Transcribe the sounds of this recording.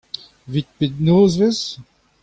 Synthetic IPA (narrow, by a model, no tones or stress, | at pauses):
vit̪̚pet̪noːzvez